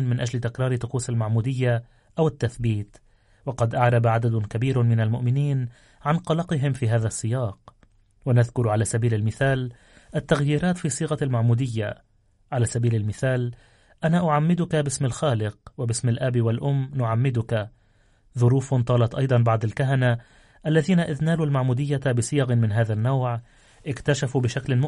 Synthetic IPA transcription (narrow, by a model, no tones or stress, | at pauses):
nmɪnʔad͡ʒlɪt̪ɪkɾˤɑːɾɪt̪ʊquːsalmaʕmuːd̪ɪjːa | ʔawɪt̪ːaθbiːt̪ | wɑqɑd̪ʔaʕɾˤɑbaʕad̪ad̪ʊkabiːɾmɪnalmʊʔmɪniːn | ʕanqɑlɑqɨɦɪmfiːɦaːðasˤːɪjɑːq | wanaðkʊɾʕalaːsabiːlalmɪθaːl | ʔat̪ːaɣjiːɾaːt̪fiːsˤiːɣɑlmaʕmuːd̪ɪjːa | ʕalaːsabiːlalmɪθaːl | ʔanaːʔʊʕamːɪd̪ʊkabɪsmalxaːlɪq̚wabɪsmalʔabiwalʔʊmːnʊʕamːɪd̪ʊka | ðʊɾuːfnt̪ˤɑːlɑt̪ʔɑjd̪ˤɑnbɑʕd̪ˤalkaɦana | ʔalːaðiːnaʔɪðnaːlulmaʕmuːd̪ɪjːabɪsɪjɑɣmɪnɦaːðanːawʕ | ʔɪkt̪aʃafuːbɪʃaklɪnmʊ